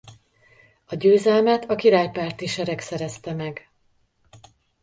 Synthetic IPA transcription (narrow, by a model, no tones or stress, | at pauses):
ɒɟøːzɛlmɛt̪ʰɒkiɾaːjpaːrt̪iʃɛɾɛksɛɾɛst̪ɛmɛɡ